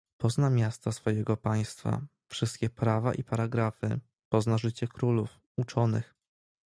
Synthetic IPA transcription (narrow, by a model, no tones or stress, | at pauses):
pɔznamʲjast̪asfɔjɛɡɔpaj̃st̪fa̰ | fʂɘst̪̚kʲɛpɾava̰ʔipaɾaɡɾafɘ̰ | pɔznaʐɘt͡ɕɛkɾuluf | ut͡ʂɔnɘ̰x